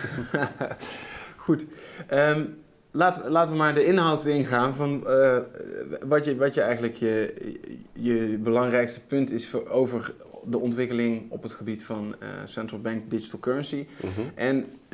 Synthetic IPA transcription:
χutəm | laːtəəlaːtəʋəmaːɹdəɪnɦɔwtɪnχaːnvɑn | ʋɑtəʋɑtjəɛjɣənləkjə | jəbəlɑŋrɛjkstə̥pɵntɪsowvəɹ | dəʔɔntʋɪkəlɪŋɔpɦətχəbitfɑnə̰sɛntrəlˠbɛŋkdɪd͡ʒitəlˠkøɹənsiʔɛn

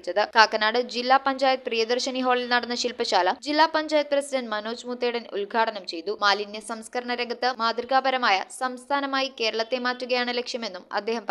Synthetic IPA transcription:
t͡ɕːɐðɨkaːkːɐnaːɽɨd͡ʑilːaːpɐɲd͡ʑaːjɐt̪̚prijɐd̪ɐrɕɐniɦo̞ːɭilnɐɽɐnːɐɕilpɐɕaːlɐd͡ʑilːaːpɐɲd͡ʑaːjɐt̪̚prɐsiɖɐnɖmɐno̞ːd͡ʑmut̪ːeɽɐnṵlɡʱaːʈɐnɐmt͡ɕe̞jt̪umaːlinːesɐmskɐɾɐɳɐɾɐɡɐt̪ːɨmaːd̪riɡaːbɐɾɐmaːjɐsɐmst̪ʰaːnɐmaːjike̞ːɾɐɭɐt̪ːe̞maːtːuɣɐjaːɳɨlekʂjɐme̞nːumɐ̰d̪ːe̞ːɦɐmp

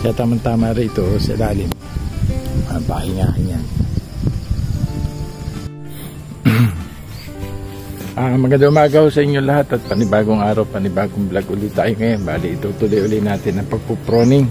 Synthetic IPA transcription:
kɐjat̪aːmɐnt̪aːmaɾiɪt̪osɐ̰laːlɪm | ʔapa̰hɪŋaːhɪɲan | ʔaŋmɐɡɐnd̪aʔʊmaːɡɐhosɐʔɪɲjolɐhat̪ɐt̪̚pɐnɪbaːɡoŋʔaːɾawpɐnɪbaːɡoŋblaɡʔʊlɪt̪aːjoŋɐjobaːlɪʔɪt̪ot̪ulojʔʊlɪnaːt̪ɪnːɐŋpɐɡ̚popɾoːnɪŋ

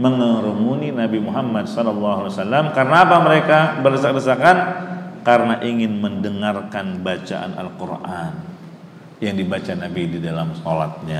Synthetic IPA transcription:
məŋəɾəmuninabimuɦamːadsɔlɔlːɑɦalasalːamkaɾənaːpaməɾekabərdəsak̚dəsakankaɾənaʔiŋɪnməndəŋarkanbat͡ʃa̰ʔa̰nʔa̰lkurʔan | jaŋdibat͡ʃanabididalamsɔla̰t̪̚ɲa

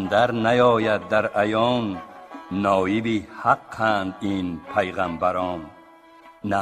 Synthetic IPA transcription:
nd̪aɾnajɔːjad̪ːaɾajɔːnː | ɔːjibihaqʰːand̪inpʰajʁambaɾɔːnː | a

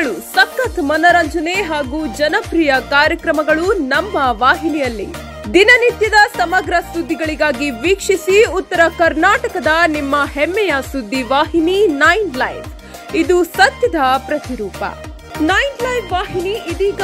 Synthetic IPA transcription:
ɭusɐkːɐt̪mɐnɐɾɐɲd͡ʒɐneɦaːɡuːd͡ʒɐnɐpɾijɐkaːɾjɐkɾɐmɐɡɐɭunɐmːɐʋaːɦinijɐlːḭ | d̪inɐnit̪jɐd̪ɐsɐmɐɡɾɐsud̪ʱːiɡɐɭiɡaːɡiʋiːkʂisiut̪ːɐɾɐkɐɾnaːʈɐkɐd̪ɐnimːɐɦɛmːɛjɐsud̪ʱːiʋaːɦininɐjnlɐjʋ | id̪usɐt̪jɐd̪ɐpɾɐt̪iɾuːpɐ̰ | nɐjnlɐjfʋaːɦiniʔid̪iːɡ

